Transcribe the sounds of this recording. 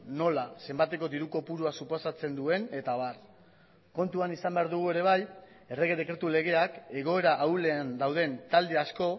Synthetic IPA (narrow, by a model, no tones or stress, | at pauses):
no̞lase̞mbat̪e̞ko̞d̪iɾuko̞puɾuasupo̞sat͡se̞nd̪ue̞ne̞t̪aβar | ko̞nt̪uanisambe̞aɾðuɣ̞ue̞ɾe̞β̞aj | e̞re̞ɣeðe̞kɾe̞t̪ule̞ɣ̞e̞ake̞ɣ̞o̞e̞ɾaʔawle̞and̪awð̞e̞nt̪ald̪e̞asko̞